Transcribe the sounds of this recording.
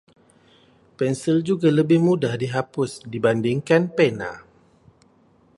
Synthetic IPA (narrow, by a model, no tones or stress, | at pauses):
pɛnsɪld͡ʒuɡaləbɪhmudahdiɦapʊsdibandɪŋkanpɛna̰